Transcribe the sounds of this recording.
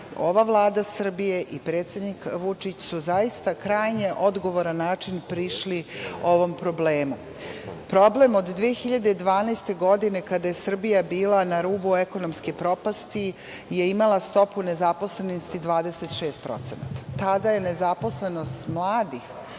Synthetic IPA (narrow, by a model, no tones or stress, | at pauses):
o̞ʋaʋlˠaːd̪asr̩bije̞ʔipɾeːt̪sʲe̞d̪nikʋut͡ʂit͡ɕsuzaist̪akɾaːjɲe̞ʔo̞d̪ɡo̞ʋoɾanːaːt͡ʂinpɾiʃlio̞ʋompɾo̞bleːmu | pɾo̞ble̞mo̞d̪d̪ʋiexiʎad̪ed̪ʋaːnast̪e̞ɡo̞d̪ine̞kad̪aje̞sr̩bijabiːlˠanaɾuːbueko̞nomskipɾo̞past̪i | je̞imalˠast̪o̞pune̞zapo̞slenost̪id̪ʋaːd̪eset̪ʃe̞ːst̪̚pɾo̞̰t̪sena̰t̪ḁt̪ad̪aje̞ne̞zapo̞sle̞no̞st̪mlˠaːd̪ix